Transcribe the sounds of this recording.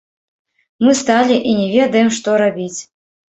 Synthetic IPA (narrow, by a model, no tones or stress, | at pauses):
mɨst̪alʲiʔinʲɛvʲɛd̪ɐjɛmʂt̪ɔɾabʲit͡sʲ